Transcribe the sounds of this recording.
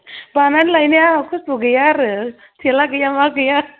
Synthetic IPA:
bananlajneaakʰussuɡɯjaɾɯ | tʰilakɯjamakɯja

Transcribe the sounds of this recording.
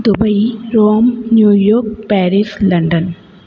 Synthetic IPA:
d̪ubɐjɾoːmnjuːjoːɾk̚pɛːɾislɐɳɖɐn

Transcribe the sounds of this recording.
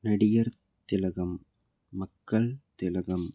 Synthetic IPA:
nɐɽɪjɐɾ | t̪ɪlɐɣɐmː | ɐkːɐɭt̪ɪlɐɣɐm

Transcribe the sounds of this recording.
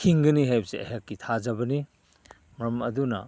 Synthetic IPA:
kʰiŋɡɐniɦajbɐseɐ̰ɦakːitʰazɐbɐni | mɾɐmɐdunɐ̰

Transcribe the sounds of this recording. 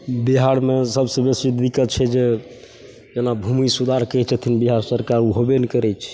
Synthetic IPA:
biɦaɽmesəbsə̃besid̪ikət̪̚t͡ʃʰɛd͡ʒe | d͡ʒenabʱumisud̪ʱaɾkət͡ʃʰət̪ʰinbiɦaɾsəɾkaɾuɦobenikəɾɛt͡ʃʰɛ̥

